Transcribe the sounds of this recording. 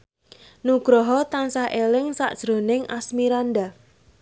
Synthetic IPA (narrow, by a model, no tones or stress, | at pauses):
nuɡ̥ɾɔɦɔt̪ansahʔelɪŋsa̰ʔd̥ʒ̥ɾo̤nɪŋʔasmiɾand̪a